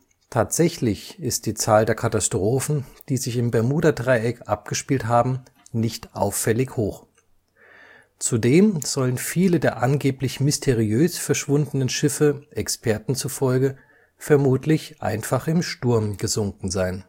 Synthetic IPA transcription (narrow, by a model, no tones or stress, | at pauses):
tʰaːtz̥ɛçlɪçɪst̚d̥iːt͡saːldeːɐkʰatastʁ̥oːfn̩d̥iːzɪçɪmbɛɐmuːdɐdʁaɪɛkʔa̰p̚ɡ̥əʃpiːltɦaːbm̩ | nɪçtʔa̰ʊfːɛlɪçhoːχ | t͡sudeːmz̥ɔlənfiːlədeːɐʔanɡeːplɪçmɪstʰeʁiøːsfɛɐʃv̥ʊndənənʃɪfəʔɛkspʰɛɐtn̩t͡sufɔlɡə | fɛɐmuːtʰlɪçʔa̰ɪnfaχɪmʃtʊɐmɡ̥əzʊŋkŋ̩zaɪn